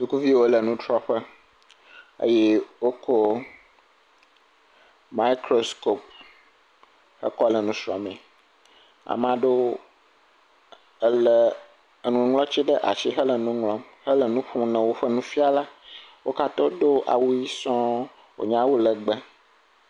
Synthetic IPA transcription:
d̪u˨ku˦vi˦wo˦lə˨nũ˦t̪ɾɔ˦ɸə˦ | ə̰˦je˦wo˦kʰo˦ | ma˦i˦kɾo˦sko˦p̚ | hə̰˦kɔ˦lə˨nũ˦ʃɾɔ̰̃˨mɛ̃˨ | a̰˨m˨ã˨ɖo˦ | lə˨ | nũ˨ŋlɔ̃˦t͡ɕi˦ɖə˦ʔa̰˨t͡ʃi˦ɦə˦lə˨nũ˦ŋlɔ̃˦m | hə˦lə˨nũ˦ɸũ˦nə̃˨wo˦ɸə˦nũ˦fi˦a˨la˦wo˦ka˦t̪ɔ˦ɖo˦ʔa̰˨wu˦ji˦sɔ̃˦ | wo̰˨ɲã˦wu˦lə˨ɡ͡bə˦

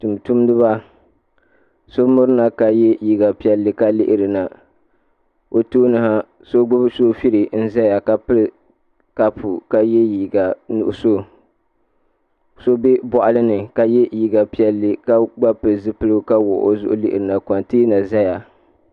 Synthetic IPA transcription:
tu˨m˨tu˦m˦dɨ˦βa˦ | so˦mʊ˦ɾɨ˦na˨ka˨jɛ˦ji˨ɡa˨pi˦ɛ˦lːɨ˦ka˦lɪ˦ʔɪ˨ɾɨ˨na˨ | o˨toː˦nɨ˦ha˦ | so˦ɡ͡bʊ˦bsoː˦fi˦ɾɪ˨n̩˦za˦ja˨ka˦pɨ˦l | ka˦pu˨ka˦jɛ˦ji˨ɡa˨nṵ˨ʔʊ˨so˦˨ | so˦be˦bɔ˨ʔa˦lɨ˦nɨ˨ka˨jɛ˦ji˨ɡa˨pi˦ɛ˦lːɨ˦ka˦ɡ͡ba˦pɨ˨lzɨ˦pɨ˦lɨ˦ka˦wʊ̰˨ʔo̰˦zʊ˦ʔʊ̰˦lɪ̰˦ʔɪ̰˨ɾɨ˨na˨ka˨nti˦na˨za˦ja˨

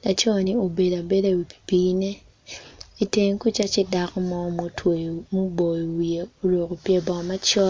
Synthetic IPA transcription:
la˨t͡ʃɔ˦˨ni˦o˨be˨da˨be˦da˨wi˨pi̥˨pi˦ne˦ | i˦te˦ŋ˦ku˦t͡ʃa˦t͡ʃɪ˦da˨kɔ˦mɔ˦mo˦tʰwo˨mo˦bo˨i˨wi˨e˨o˨ɾo˨ko˨pje˨bɔ˨ma˦t͡ʃɔ˦t

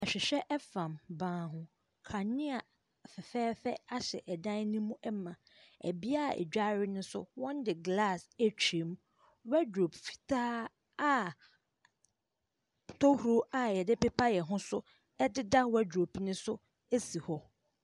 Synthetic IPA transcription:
a˨ɕᶣɪ˨ɕᶣɛ˦ʔɛ˦fã˨mbãː˨˦˨ɦʊ̃˦ | kʰa˨nɪ̃˦a˨ | fɛ˨fɛː˦fɛ˦a˦ɕɛ̰˨ʔɛ˨dã˦n˦nĩ˦mũ˦ʔɛ˦mã˨ | æ̰˨bi˦a˦˨ɛ̰˨d͡ʑᶣa˦ɾɪ˦nʊ̃˦sʊ̰˦wɔ̃˦ndɪ˨ɡla˦˨sæ˦t͡ɕʰᶣi˨˦m | wæ˦dɾo˨bfi̥˨tʰaː˦ | a˦ | tʰɔ˦hu˨ɾo˦a˨jɛ˨dɪ˦pɛ˦pʰa˦jɛ˨ɦʊ̃˦sʊ˦ | ɛ˦dɪ˦da˦wɛ˦do˨pi˦nʊ̃˦sʊ˦ | e˦si˨hɔ˦

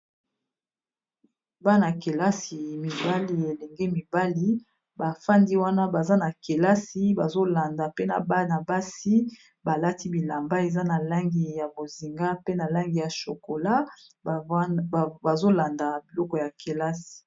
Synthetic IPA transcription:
ba˦na˨ke˨la˦si˨mi˨ba˦li˨e˨lɛ˨ŋɡɛ˦mi˨ba˦li˦ | ba˨fa˦ndi˦wa˦na˦ba˨za˦na˨ke˨la˦si˦ba˨zo˦la˨nda˨pe˦na̰˨ba˦na˨ba˦si˦ | ba˨la˦ti˦bi˨la˨mba˦e˨za˦na˨la˦ŋɡi˨ja˨bo˨zi˨ŋɡa˦pe˦na˨la˦ŋɡi˨ja˨ʃo˨ko˨la˦˨ | ba˨zo˦la˨nda˨bi˨lɔ˦kɔ˨ja˨kʰe˨la˦si̥˨

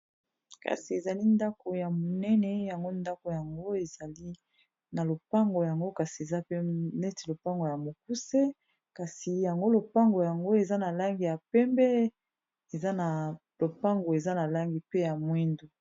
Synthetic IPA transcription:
ka̰˨si˨e˨za˨li˦nda˦ko˨ja˨mo˨nɛ˦nɛ˨ja˨ŋɡo˦nda˦ko˨ja˨ŋɡo˦e˨za˨li˦ | na˨lo˨pa˦ŋɡo˨ja˨ŋɡo˦ka˨si˨e˨za˦pe˦nɛ˦ti˨lo˨pa˦ŋɡo˨ja˨mo˨k̚u˦se˦ | ka˨si˨ja˨ŋɡo˦lo˨pa˦ŋɡo˨ja˨ŋɡo˦e˨za˦na˨la˦ŋɡi˨ja˨pɛ˦mbɛ˦ | e˨za˦na˨ | lo˨pa˦ŋɡo˨e˨za˦na˨la˦ŋɡi˨pe˦ja˨mwi˦ndu˨

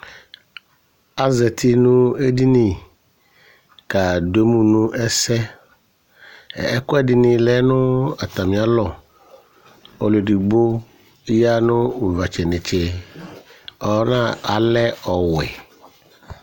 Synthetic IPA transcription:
a˦zɛ˨t̪ʰi˦nʊ̃˦e˦di˦nĩ˨ | ka˨do˦mũ˦nũ˦ʔɛ˦sɛ˦˨ | ɛ˦kɔ˦ɛ˦dɪ˨nɪ̃˨lɛ˦nʊ̃˦a˨t̪a˨mĩ˨a˦lɔ˨ | ɔ˨le˨di˨ɡ͡bo˦ | ja˦nʊ̃˦wu˨va˨t͡ʃɛ˨nɪ̃˨t͡ʃe˨ | ɔ˨˦nã˦˨a˨lɛ˦ɔ˨wɛ˨

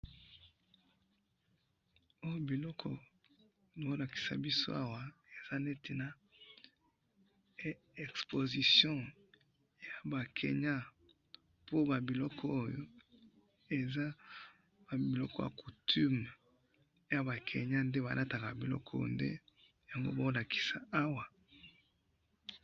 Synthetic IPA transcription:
o˦jo˨bi˨lɔ˦kʰɔ̰˨ | bo˦la˨ki̥˨sa̰˨bi˦so˦a˦wa˨e˨z̥a˦ne˦ti˨na˦ | ɛ˨kspo˨zi˨sjɔ̃˦ | ja˨ba˨kʰḛ˨ɲa˦ | po˦ba˨bi˨lɔ˦kʰɔː˦jo˨˦ | e˨za˦ | ba˨bi˨lɔ˦kɔ˦ja̰˨ku˨tʰy˦m˨ | ja˨ba˨kʰḛ˨ɲa˦nde˦ba̰˨lʔa˦ta˨ka˨bi˨lɔ̰˦kʰɔ˦jo̰˨ndḛ˦ | ja˨ŋɡo̰˦bo˦la˨kʰi̥˨sa˨a˦wa˨

